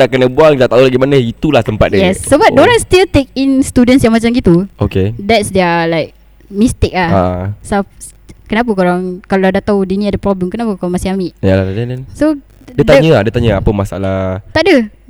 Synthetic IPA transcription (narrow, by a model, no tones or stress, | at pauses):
daʔkənəbuaŋt̪aʔt̪aulaɡimanəit̪ulahsəmpa̰t̪̚djɛsːobadoɾaŋst̪ilt̪ek̚inst̪udənsjãŋmat͡ʃamɡit̪uʔokedɛtsdɛlaɪk̚ | mist̪ɪk̚lahaʔsap̚ | kənap̬akoɾaŋkaladat̪awdiniadəpɾɔbləmkənapakoɾaŋmasihamiʔjalat̪adədɛso | diədt̪aɲəadiət̪aɲəapəmasa̰lat̪aʔdə